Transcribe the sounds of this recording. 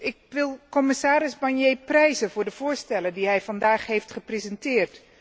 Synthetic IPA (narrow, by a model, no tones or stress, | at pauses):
ɪk̚ʋɪlˠkɔmɪsaːɾɪzbɑnjejprɛjzənvʊːɹdəv̥ʊːɹstɛləndiɦɛjvɑndaːχɦejftχəprezɛntɪːrt